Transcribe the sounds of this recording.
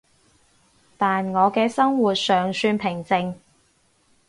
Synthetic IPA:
t̪aː˨nŋɔː˨˧kɛː˧sɐ˥ŋwu˨t̚sœː˨˩ŋsyː˧npʰɪ˨˩ŋt͡sɪ˨ŋ

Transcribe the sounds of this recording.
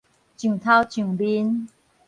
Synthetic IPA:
t͡ɕũ˨˩ŋt̪ʰa˦wt͡ɕũ˨˩ŋbi˦n

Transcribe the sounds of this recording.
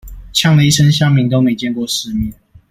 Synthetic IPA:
t͡ɕʰjɑ˥˩ŋlə˨i˥˩ʂə˦nɕjɑ˥ŋmi˨˥ŋt̪o˥ʊme˧˥ɪt͡ɕjɛ˥˧nkwɔ˥˨ʂɻ̩˧˦mi˨˩˦n

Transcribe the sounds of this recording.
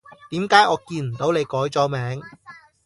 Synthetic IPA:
t̪iː˨˥mkaː˨˥jʔɔː˨˧kiː˧nm̩˨˩t̪o˨˥wne˨˧jkɔː˨˥jt͡sɔː˨˥mɛː˨˥ŋ

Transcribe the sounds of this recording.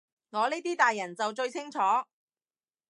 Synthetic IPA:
ŋɔː˨˧niː˥jt̪iː˥t̪aː˨jːɐ˨˩nt͡sɐ˨wt͡ʃɵ˧ɥt͡sʰɪ˥ŋt͡sʰɔː˨˥

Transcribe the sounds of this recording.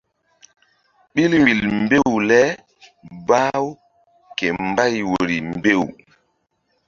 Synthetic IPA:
ɓi˦lwi˨lmbe˦wlɛ˦ | baː˦w | ke˨mba˦jwo˨ɾi˨mbe˦˨w

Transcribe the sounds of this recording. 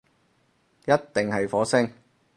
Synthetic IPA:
jɐ˥tt̪ɪ˨ŋhɐ˨jfɔː˨˥sɪ˥ŋ

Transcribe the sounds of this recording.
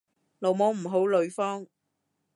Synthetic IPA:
lo˨˩wmɔː˨˥ŋm̩˨˩ɦo˨˥wlɵ˨˧ɥfɔː˥ŋ

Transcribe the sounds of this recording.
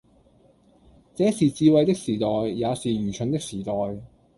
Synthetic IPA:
t͡sɛː˨˥siː˨t͡siː˧wɐ˧jt̪ɪ˥k̚siː˨˩t̪ɔː˨jːaː˨˧siː˨m̩ː˨˩t͡ʃʰɵ˨˧nt̪ɪ˥k̚siː˨˩t̪ɔː˨j

